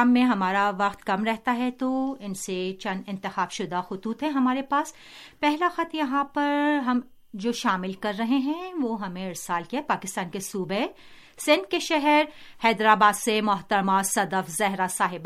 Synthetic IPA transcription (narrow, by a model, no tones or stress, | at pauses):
aːmːẽɦɐmaːɾaʋɐqt̪kɐmɾɛɦt̪aɦɛt̪oɪnset͡ʃɐ̃nd̪ɪ̃nt̪ɪxaːbʃʊd̪axʊt̪uːt̪ɦɛ̃ɦɐmaːɾepaːs | pɛɦlaxɐt̪jɐɦãpɐɾɦɐm | d͡ʒoːʃaːmɪlkɐɾːɐɦeɦɛ̃ʋoːɦɐmẽɪɾsaːlkiaɦɛpaːkɪst̪aːnkesuːbe | sɪ̃nd̪̚keʃɛɦɛɾhɛːd̪ɾaːbaːd̪semʊɦt̪əɾmasɐd̪əfzɛɦɾasaːɦɪb